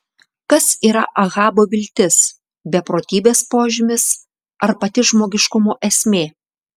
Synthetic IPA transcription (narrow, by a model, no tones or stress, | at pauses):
kɐsiːɾɐʔɐɣɑːboːʋʲɪlʲt̪ʲɪs | bʲɛpɾoːt̪ʲiːbʲeːspoːʒʲɪmʲɪs | ɐɾpɐt̪ʲɪʒmoːɡʲɪʃkʊmoːʔɛsʲmʲeː